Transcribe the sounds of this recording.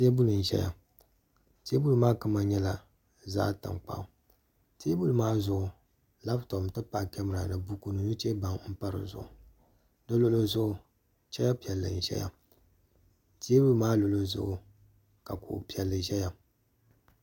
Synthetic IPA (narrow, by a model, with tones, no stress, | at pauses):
te˦bu˦lɨ˨n̩˨ʒɛ̰˦ja̰˨ | te˦bu˦lɨ˨maː˦kɨ˦ma˦ɲɛ˦la˨ | za̰ː˦ta̰˨ŋk͡pa̰˦˨ | te˦bu˦lɨ˨maː˦zʊ˦˨ʊ˨ | la˦btɔ˨m˨tɨ˦pa˦˨kɛ˦mɨ˨ɾa˨nɨ˨bu˦ku˨nɨ˨nɨ˦t͡ʃe˦ba˨ŋ˦m̩˦pa˦ɾɨ̰˨zʊ̰˨ʔʊ˨ | dɨ˦lo˦lo˦zʊ˦ʔʊ˨ | t͡ʃɛ˦ja˦pi˨ɛ˨lːɨ̰˨n̩˨ʒɛ̰˦ja̰˨ | ti˦e˦bu˦˨maː˦lo˨lo˦zʊ̰˦ʔʊ˨ | ka˨ko̰˨pi˨˦ɛ˨lːɨ˨ʒɛ˦ja˨